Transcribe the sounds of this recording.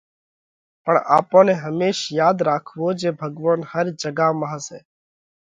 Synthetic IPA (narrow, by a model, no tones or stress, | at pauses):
pəɳaːpõːnẽːɦəmeːʃjaːd̪ɾaːkʰʋoːd͡ʒeːbʱəɡʋaːnhəɾd͡ʒəɡaːmaɦəsɛ̰ː